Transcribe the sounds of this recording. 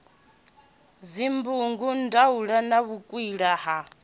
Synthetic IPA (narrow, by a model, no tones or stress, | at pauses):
zimbuŋɡundauɺanaβukʼwiɺaɦa